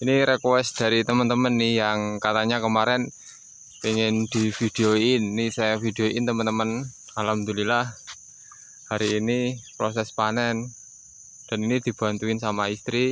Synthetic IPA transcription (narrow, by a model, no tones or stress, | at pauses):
iniɾekwɛsd̪̥a̤ɾit̪əmənt̪əmənːijaŋkat̪aɲakəmaɾɛn | piŋɪnd̪̥i̤fid̥eoinːisafid̪̥ejoiɪnt̪əmənt̪əmən | alamd̪ulilah | haɾiːnipɾosɛspanɛn | d̥a̤ninid̪̥i̤b̥a̤nt̪uɪnsamaist̪ɾi